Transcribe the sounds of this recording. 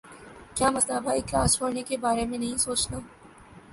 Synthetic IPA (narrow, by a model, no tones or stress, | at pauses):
kjaːmɐst̪aːbaɪklaːst͡ʃʰoːɽnekebaːɾemẽnɐɦĩsoːt͡ʃt̪aː